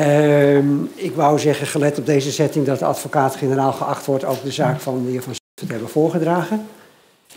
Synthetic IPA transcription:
əmɪkʋʌwzɛχəχəlɛtɔb̚dejzəzɛtɪŋdɑt̚dəɑ̰tfokaːtχenəɾaːlˠχəʔɑχtʋɔɹtowk̚dəzaːkfɑnʋivɑnsɪfətɦɛbəv̥ʊːɹχədraːχən

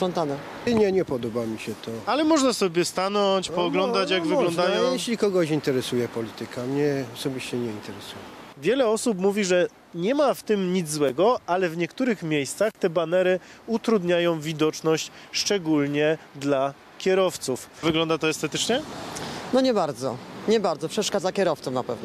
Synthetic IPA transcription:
ʂɔnt̪anɛ | ɲɛɲɛpɔd̪ɔbamʲiɕɛt̪ɔalɛmɔʐnasɔbʲjɛst̪anɔt͡ɕpɔːɡlɔnd̪at͡ɕjaɡvɨɡlɔ̃nd̪ajɔ̃w̃jjɛɕlʲikɔɡɔɕint̪ɛɾɛsujɛpɔlʲit̪ɘkamɲɛɔsɔbʲiɕt͡ɕɛɲɛint̪ɛɾɛsujɛvʲjɛlɛɔsupmuvʲiʐɛ | ɲɛmaft̪ɘmɲid̪zzwɛɡɔalɛvɲɛkt̪uɾɘxmʲjejst̪saxt̪ɛbanɛɾɘut̪ɾud̪ɲajɔ̃w̃vʲid̪ɔt͡ʂnɔɕt͡ɕ | ʂt͡ʂɛɡulɲɛd̪la | kʲjɛɾɔft̪sufvɘɡlɔnd̪at̪ɔɛst̪ɛt̪ɘt͡ʂɲɛnɔɲɛbaɾd̪zɔ̰ɲɛbaɾd̪zɔpʂɛʂkad̪zakʲɛɾɔft̪sɔmnapɛvnɔ

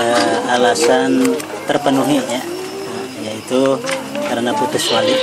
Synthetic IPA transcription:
əalasan | t̪ərpənuɦiɲa | jait̪ukaɾənaput̪ʊswali

